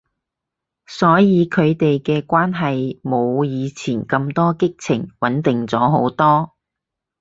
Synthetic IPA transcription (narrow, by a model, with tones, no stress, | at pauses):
sɔː˨˥jiː˨˧kʰɵ˨˧ɥt̪e˨jkɛː˧kʷaː˥nɦɐ˨jmo˨˧wjiː˨˧t͡sʰiː˨˩nkɐ˧mt̪ɔː˥kɪ˥k̚t͡sʰɪ˨˩ŋwɐ˨˥nt̪ɪ˨ŋt͡sɔː˨˥ɦo˨˥wt̪ɔː˥